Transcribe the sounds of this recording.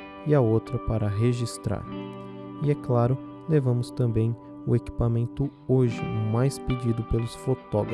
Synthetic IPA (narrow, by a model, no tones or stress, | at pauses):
iɐowt̪ɾɐpaɾɐɦeʒist̪ɾa̰ɾ | iɛklaɾʊ | levɐ̃mʊst̪ɐ̃mbẽj̃ | ʊ̰eki̥pamẽnt̪ʊ | oʒɪ̰ʊmajsped͡ʒid̪ʊpelʊsfot̪ɔɡɾ